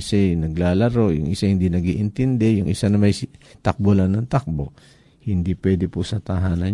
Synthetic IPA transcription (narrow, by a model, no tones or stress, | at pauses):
sɛjnɐɡlaːlɐɾo̞jʊŋʔɪsahɪnd̪inɐɡiːʔɪnt̪ɛnd̪ɛjʊŋʔɪsanɐmɐjt̪ɐk̚bolanɐŋt̪ak̚bo | hɪnd̪ipwɛːd̪ɛpʊsɐt̪ɐɦaːnɐ